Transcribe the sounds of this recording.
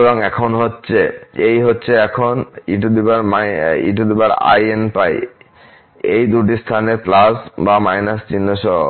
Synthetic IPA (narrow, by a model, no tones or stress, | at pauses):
boŋɛkʰonɦotːɕʰeejɦotːɕʰeɛkʰoniʈud̪ibaɾmaḭʈ̬ud̪ibaɾa̰jenpaj | ejd̪uʈ̬ist̪ʰaneɾplasbamajnast͡ɕinːoʃɔɦo̰